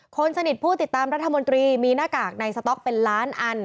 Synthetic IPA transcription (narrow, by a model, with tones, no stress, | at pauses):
kʰo˧nsa˧ni˨˩t̪̚pʰuː˥˩t̪i˨˩t̪ːaː˧mɾa˦˥t̪ʰːa˧mo˧nt̪ɾiː˧miː˧naː˥˩kaː˨˩k̚na˧jsa˧t̪ɔ˦˥k̚pe˧nlaː˦˥nʔa˧n